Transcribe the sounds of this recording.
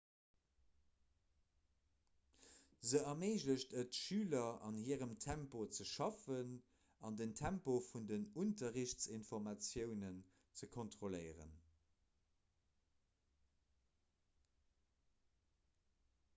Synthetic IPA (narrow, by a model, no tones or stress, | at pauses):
zəɐmeːʑləɕtʰətʃyːlɐɑnhiːʁəmtʰæmpot͡səʃɑfən | ɑndəntʰæmpofundənuntɐʁiɕt͡sinfɔʁmɑt͡sjəʊnən | t͡səkʰontʁolɜɪʁə̰n